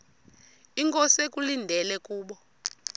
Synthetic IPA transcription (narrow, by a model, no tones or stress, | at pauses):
iŋkʼɔsek̬ʼulindʱɛlɛkuːɓɔ